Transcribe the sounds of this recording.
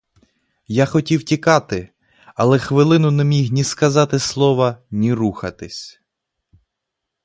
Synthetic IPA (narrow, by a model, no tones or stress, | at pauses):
jaxɔtʲiwtʲikɑt̪ɪ | ɐlˠɛxʋɪlˠɪnʊnɛmʲiɦnʲiskɐzɑt̪ɪslˠɔʋɐnʲiɾuxɐt̪ɪsʲ